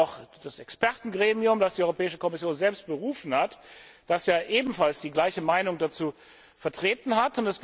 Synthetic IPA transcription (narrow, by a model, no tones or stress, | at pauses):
ʊxd̥asɛkspɛɐtn̩ɡʁeːmiʊmdasd̥iːʔɔʏʁopʰɛːɪʃəkʰɔmɪsjoːnzɛlpst̚b̥əʁuːfn̩hatd̥asjaːʔeːbm̩falsd̥iːɡlaɪçəmaɪnʊŋdat͡suː | fɛɐtʁ̥eːtn̩hatʊntɛs